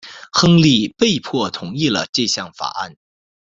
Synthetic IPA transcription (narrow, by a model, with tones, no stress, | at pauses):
xɤ˥ŋli˥˧pe˥˧ɪpʰwɔ˥˩t̪ʰʊ˨˧˥ŋi˥˩lə̰˩ʈ͡ʂɤ˥˧ɕjɑ˥˩ŋfa̰˨˩˦a̰˥˩n